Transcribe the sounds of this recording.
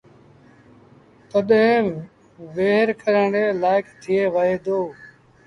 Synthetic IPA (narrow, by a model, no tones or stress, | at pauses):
t̪əɗɦẽː | ʋeːɦɾkəɾəɳɖeːlaːɪkʰt̪ʰɪeːʋəɦeːd̪oː